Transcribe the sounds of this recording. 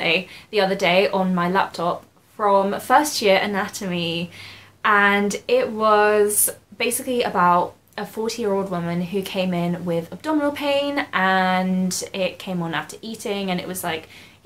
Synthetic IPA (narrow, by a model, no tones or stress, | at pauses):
ɪðiʌðədeɪʔə̃nmaɪla̰p̚tʰɒp | fɹə̃mfɜˑstjɪəɹʔənatʰəmi | ʔə̃nɪʔwɒzb̥eɪsɪkliəbaʊt | ʔəfɔˑtʰijɪɹoʊlˠd̚wʊmə̃nɦʉkʰẽɪ̃mɪ̃nwɪðəb̚d̥ɒmənl̩ˠpʰẽɪ̃nʔə̃ndɪʔ̚kʰẽɪ̃mə̃naftə˞ʔiˑtɪ̃ŋə̃nɪ̰ʔwɒz̥laɪk